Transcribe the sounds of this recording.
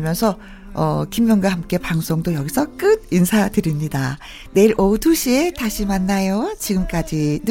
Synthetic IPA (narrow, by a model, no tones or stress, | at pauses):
mjʌnsʰʌ | ʌ̰kimjʌŋɡwahamk͈e̞paŋs͈ʰoŋdojʌɡisʰʌk͈ɯd̚insʰatɯɾimɲida | ne̞iɾʔʌtʰoɕʰie̞taɕʰimanːajot͡ɕiɡɯmk͈ad͡ʑinɯ